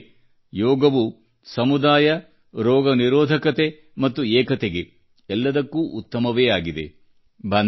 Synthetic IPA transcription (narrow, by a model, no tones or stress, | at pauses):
jɔːɡɐʋu | sɐmud̪aːjɐ | ɾɔːɡɐniɾɔːd̪ʱɐkɐt̪e̞ | mɐt̪ːuɛːkɐt̪eɡe | ɛlːɐd̪ɐkːuʔut̪ːɐmɐʋeːaːɡid̪e̞̰ | bʱɐn